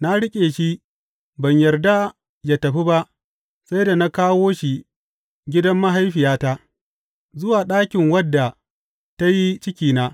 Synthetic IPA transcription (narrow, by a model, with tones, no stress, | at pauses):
na˦ɽɪ˦kʲʼeː˨ʃi˦ | bɐ˨ɲjɐ˨rda˦ | jaː˦tɐ˨ɸi˦ba˦ʔ | sa˦jda˨na˦kaː˦woː˦ʃi˨ | ɡʲɪ˦dɐ˦mːa˦ɦa˦jɸɪ˨jaː˦ta˦ʔ | zʊ˦waː˨ɗaː˦kʲɪ˨ŋwɐ˦dːa˨ | ta˦ji˦t͡ʃɪ˦kʲiː˨na˦